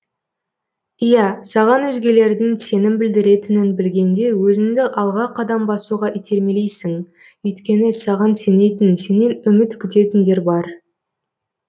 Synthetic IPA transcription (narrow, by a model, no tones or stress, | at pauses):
ijæsɑʁɑnwɵzɡʲe̞le̞ɾd̪ɪŋse̞nɪmbɪld̪ɪɾe̞t̪ɪnɪnbɪlɡʲe̞nd̪e̞wɵzɪŋd̪ɪʔɑlˠʁɑqʰɑd̪ɑmbɑsuʁɑʔit̪ʰe̞ɾmele̞jsɪŋ | ʏjt̪kʲe̞nɪsɑʁɑnse̞ne̞t̪ɪnse̞ne̞nʏmɪt̪kʲʰʏt̪e̞t̪ɪnd̪e̞ɾbɑɾ